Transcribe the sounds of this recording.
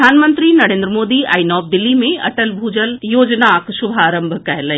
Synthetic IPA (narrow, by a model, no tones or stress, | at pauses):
aːnmə̃nt̪ɾinɐɾẽːnd̪ɾəmoːd̪ia̰ːinɔːb̚d̪ɪlːimẽɐ̰ʈəlbʱuːd͡ʑəljoːd͡ʑnakʃʊbʱaːɾə̃mbʱkɐɦɪlə